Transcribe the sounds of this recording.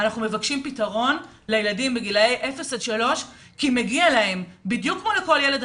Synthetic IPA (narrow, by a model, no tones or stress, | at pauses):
anaχnumevakʃimpitaʁo̞n | lejeladimbeɡilejʔefesed̪ʃalo̞ʃ | kimeɡialae̞mbidjukːmoleko̞ljeled